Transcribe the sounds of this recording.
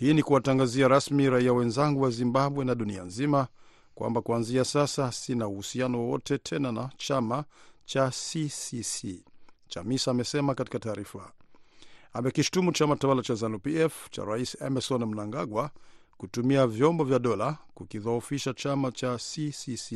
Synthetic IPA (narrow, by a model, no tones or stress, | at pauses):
hiːnikuwataŋɡaziaɾasmiɾaiawɛnzaŋɡuwazimbaɓwɛnaɗunia̰nzima | kwʔa̰mbakuanziasasasinauhusianɔwwɔtɛtʰɛnana̰t͡ʃamat͡ʃasisisit͡ʃa̰misaːmɛsɛmakati̥kataːɾifa | amɛkiʃu̥tumut͡ʃamatawalat͡ʃazanupiɛft͡ʃa̰ɾaisɛmɛsɔnm̩naŋɡaɡwakutumiavjɔmbɔvjaɗɔlakukiðaufiʃat͡ʃamat͡ʃasisisi